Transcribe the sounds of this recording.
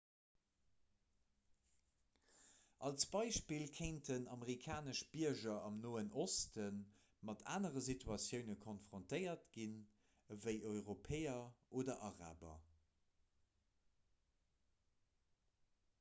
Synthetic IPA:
ʔɑlsb̥ɑɪʃpilkʰeɪntənɑməʁikʰaːnəʃb̥iɐʒɐɑmnoːənʔostən | mɑtʰa̰ːnəʁəzitʰuɑsjəʊnəkʰonfʁontəɪɐtɡin | vəɪʔɔʏʁopʰeːɐʔoːdɐʔɑʁa̰ːbɐ̰

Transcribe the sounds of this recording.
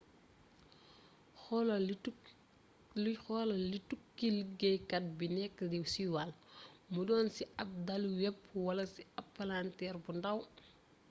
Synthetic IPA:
xɔl | xɔlɐlitukːilɡɛjkɐt̚binɛkːədɛwsiwalmudɔːnsiɐp̚dɐlwɛp̚wɐlɐsiɐpːalantɛrbundɐw

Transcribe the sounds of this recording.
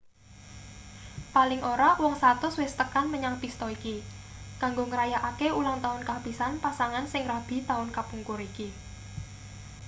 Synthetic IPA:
palɪŋʔoɾɔwɔŋsat̪ʊswɪst̪əkanməɲaŋpist̪ɔikikaŋɡoŋəɾajaʔakeulaŋt̪aʊnkapisanpasaŋansɪŋrab̥i̤t̪aʊnkapuŋkʊɾiki

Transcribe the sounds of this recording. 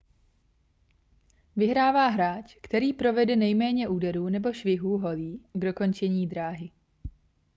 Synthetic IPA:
vɪɦɾaːvaːɦɾaːt͡ʃkt̪ɛɾiːpɾo̞vɛdɛnɛjmɛːɲɛʔuːdɛɾuːnɛbo̞ʃvɪɦuːɦo̞liːɡdo̞ko̞nt͡ʃɛɲiːd̪ɾaːɦɪ

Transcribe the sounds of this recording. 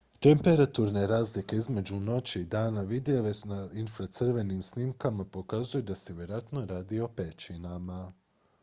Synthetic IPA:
t̪e̞mpe̞ɾat̪uɾne̞ɾaːzlike̞izme̞d͡ʒuno̞t͡ɕiid̪aːnaʋid̪eoʋenainfɾat̪sɨr̩ʋe̞nimsnimkamapo̞kazujud̪aseʋje̞ɾoat̪no̞ɾaːd̪io̞pet͡ʃinama

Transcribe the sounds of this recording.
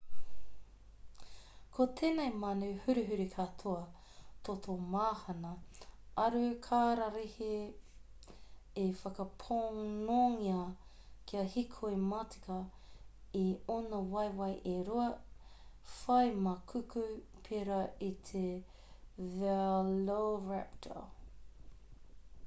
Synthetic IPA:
kʰot̪ʰeːnejmanuhʉɾiɦʉɾikʰatʰoɐ | t̪ʰotʰomaːhɐnɐɐɾʉkʰaːɾaɾihe | efɐkɐpʰoŋnoŋiɐ | kʰiɐhikʰoematʰi̥kɐ | ionɐwɐjwɐjʔeɾuɐ | fɐjmɐkʰʉkʉpʰeɾɐit̪ʰe | vɛloɹɛp̚tʰə̰

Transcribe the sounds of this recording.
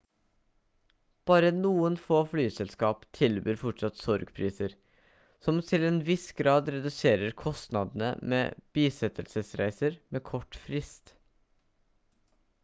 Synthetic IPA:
b̥ɑːɾənuːənfoːflyːsɛlskɑːpt̪ʰɪlbøːɾfɔʈʂɑt̪sɔɾɡpʰɾiːsəɾ | sɔmt̪ʰɪlɛːnʋɪsɡɾɑːd̪ɾɛd̪ʉseːɾəɾkʰɔst̪nɑd̪n̩ə̰mḛːb̥iːsɛt̪ʰəlsəsɾæ̰ɪsəɾmeːkʰɔʈfɾɪst̪

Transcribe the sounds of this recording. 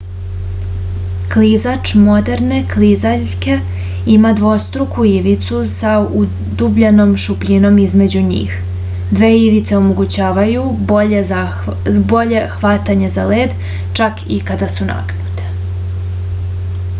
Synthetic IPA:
klizat͡ʃmo̞d̪e̞ɾne̞klizaʎ | ke̞ | imad̪ʋo̞st̪ɾukuiʋit̪susau | d̪ubʎano̞mʃupʎino̞mizme̞d͡ʑuɲḭːx | d̪ʋeːiʋit̪se̞o̞mo̞ɡut͡ɕaːʋajueza | bo̞ʎe̞xʋat̪aɲezale̞ːd̪ | t͡ʃakʰikad̪asuna̰knut̪e̥

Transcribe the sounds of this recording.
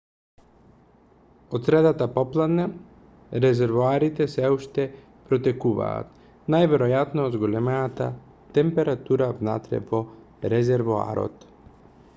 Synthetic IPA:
ot̪sɾɛd̪at̪apɔplˠad̪na | ɾɛzɛɾvoaɾit̪ɛsɛuʃt̪ɛ | pɾɔt̪ɛkuva̰ːt̪ | najvɛɾojat̪nozɡolɛmɛat̪a | t̪ɛmpɛɾat̪uɾavna̰t̪ɾɛ̰vɔ | ɾɛzɛɾvoa̰ɾo̰t̪

